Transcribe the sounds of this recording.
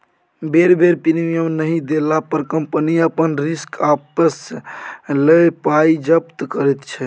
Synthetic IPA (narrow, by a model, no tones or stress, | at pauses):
beɾbʱeɾpiɾmijəmnəɦid̪elapəɾkəmpəniəpənɾiskapəs | ləpaid͡ʒəpt̪kəɾɛt̪t͡ʃʰɛ